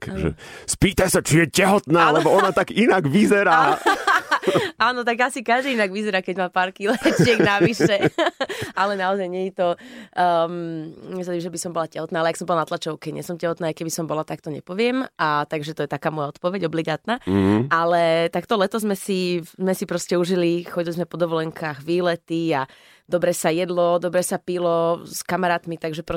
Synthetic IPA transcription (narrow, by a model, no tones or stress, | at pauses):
kːʒɛ̰spiːt̪ajsat͡ʃijɛcɛɦɔt̪naːlɛbɔɔnat̪aɡinaɡʋizɛɾaː | aːnɔt̪aɡasikaʒd̪iinaɡʋizɛɾaːkɛɟmaːpaːɾkilɛt͡ɕɛɡnaʋiʃɛ | alɛnaɔzajɲɛɲit̪ɔ | mɲɛs̬at̪imʒɛbisɔmbɔlacɛɦɔt̪naːalɛjaksɔmbɔlanat̪lat͡ʃɔʊkɛɲɛ̰sɔmcɛɦɔt̪naːjkɛbisɔmbɔlat̪ak̚t̪ɔɲɛ̰pɔʋɪɛmat̪aɡʒɛt̪ɔjɛt̪akaːmɔjaɔt̪pɔʋɛɟɔbliɡaːt̪naːʔalɛt̪akt̪ɔlɛt̪ɔzmɛsizmɛsipɾɔscɛuʒilixɔɟilizmɛpɔd̪ɔʋɔlɛŋkʰaːɣʋiːlɛt̪ia | d̪ɔbɾɛsajɛd̪lɔd̪ɔbɾɛsapilɔskamaɾaːt̪mit̪aɡʒɛpɾɔ